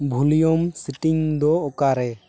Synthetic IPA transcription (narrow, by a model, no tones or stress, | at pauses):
bʱulijɔmsiʈiŋd̪ɔɔkaɾɛ